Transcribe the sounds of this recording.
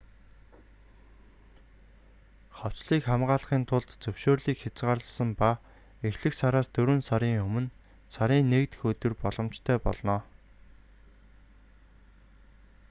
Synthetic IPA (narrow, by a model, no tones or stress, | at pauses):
χɔw̥t͡ɕɮiːkχamɢaːɮχiːnt̪ʰʊɮt̪t͡sɵwʃoːrɮiːkxʲat͡sɢaːrɮə̆sə̆mpa | exɮɘ̆ksaɾaːst̪ɵɾwɵ̆nsaɾiːŋɵmɵ̆n | saɾiːnːekt̪ɘ̥̆xɵt̪ɵ̆rpɔɮɞ̆m̥t͡ɕt̪ʰœːpɔ̰ɮnɔː